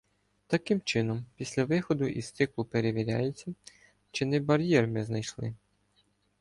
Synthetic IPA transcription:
t̪ɐkɪmt͡ʃɪnɔmpʲisʲlʲɐʋɪxɔd̪ʊʔist̪ɪklˠʊpe̞ɾeʋʲiɾʲa̰jet͡sʲːɐ | t͡ʃɪnɪbɐɾʲjɛrmɪznɐjʃlˠɪ̰

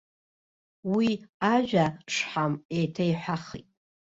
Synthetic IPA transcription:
wiaʒᶣaʂħamejtʰajħʷᶣaχḭtʼ

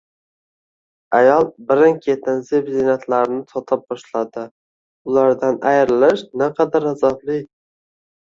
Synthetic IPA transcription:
ajɒlˠbɪɾɪŋkʰʲet̪ʰɪnzebzenat̪ʰlaɾɪnɪsɒt̪ʰɪp̚bɒʃlad̪ɪ | ʊlaɾd̪anajɾɪlɪʃnaqʰɑd̪aɾazablɪ

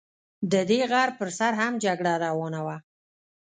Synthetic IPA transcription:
d̪əd̪eɣaɾpəɾsaɾhamd͡ʒaɡɽaɾawɑnawa

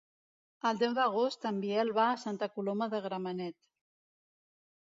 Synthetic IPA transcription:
əlˠd̪ɛwd̪əɣ̞ost̪əmbiɛlβaːsant̪əkuloməðəɣɾəmənɛt̪

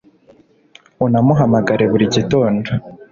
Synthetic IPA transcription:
unamuɦamaɡaɾe̞βuɾiɟitoːndo

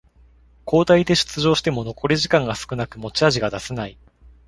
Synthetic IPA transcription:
ko̞ːt̪aid̪e̞ɕɨ̥t͡sɨʑo̞ːɕi̥t̪e̞mo̞no̞ko̞ɾʲeʑikãŋɡasɨ̥kɯ̟nakɯ̟mo̞t͡ɕiaʑiɡad̪asenai

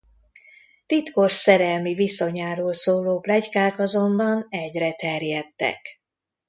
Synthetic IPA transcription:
t̪it̪ko̞ʃsɛɾɛlmiviso̞ɲaːɾoːlsoːloːblɛckaːkɒzo̞mbɒnɛɟrɛt̪ɛrjɛt̪ːɛ̰k

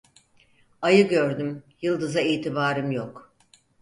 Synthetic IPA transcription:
ajɯɡø̞ɾd̪ymjɯlˠd̪ɯzaiːt̪ʰibaːɾɯmjok

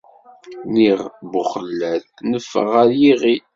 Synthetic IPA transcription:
niʁbʊχəlːæθnəfːə̰ʁæɾjiʁi

